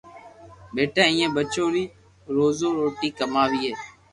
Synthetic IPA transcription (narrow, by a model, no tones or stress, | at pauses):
ɓeːʈʰãːĩːẽːbət͡ʃoːɾiː | ɾoːzoːɾoːʈiːkəmaːʋiːɦeː